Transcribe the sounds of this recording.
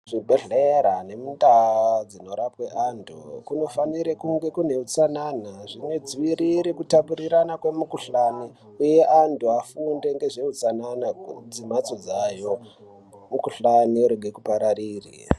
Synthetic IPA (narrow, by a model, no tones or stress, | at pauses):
ʐ̥ibʱe̞ɮeɾane̞mundad͡zino̞ɾapwe̞ʔantʰṵkuno̞faniɾekuŋɡe̞kune̞ut͡sananaʐino̞d͡ziʋiɾiɾekutapuɾiɾanakwe̞mukuɬani | uje̞ʔantʰuafunde̞ŋɡe̞ʐe̞ut͡sananad͡zimat͡so̞d͡zajo̞ | mukuɬaniuɾeɡʱekupaɾaɾiːrḭ